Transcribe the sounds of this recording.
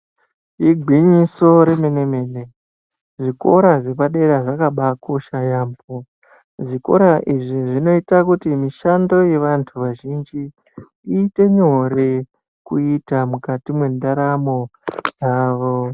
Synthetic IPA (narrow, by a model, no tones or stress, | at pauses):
iɡʱiɲiso̞ɾe̞me̞ne̞me̞ne̞ | ʐiko̞ɾaʐe̞paɗe̞ɾaʐakaɓako̞ʃajaːmbo | ʐiko̞̰ɾaʔiʐiʐino̞itakutimiʃando̞je̞ʋantʰuʋaʒind͡ʒi | iːte̞ɲo̞ɾe̞ | kuitamukatimwe̞ndaɾamo̞d͡zaːʋo̞